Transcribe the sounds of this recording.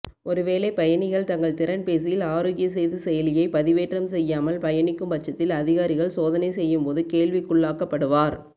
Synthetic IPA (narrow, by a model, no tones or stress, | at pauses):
ʔɔɾɯʋeːleːpɐjɐnɪɣɐɭt̪ɐŋɡɐɭt̪ɪɾɐnpeːsɪjɪlaːɾoːɣjɐs̬ɛjðɯsɛjɐlɪjɐɪpɐðɪʋeːʈrɐmsɛjːaːmɐlpɐjɐnɪkːɯmpɐt͡ʃːɐt̪ːɪlɐðɪɣaːɾɪɣɐɭsoːðɐnɐɪsɛjːɯmpoːðɯkeːɭʋɪkːʊɭːaːkɐpːɐɽɯʋaːɾ